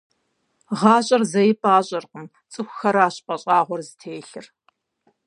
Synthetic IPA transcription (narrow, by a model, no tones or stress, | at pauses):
ʁɑːɕʼɐrzɐjɪpʼaːɕʼɐrqən | t͡sʼɨxʷxɐɾaːɕʼpʼɐɕʼɑːʁʷɔrzɨtʰeːɬɨr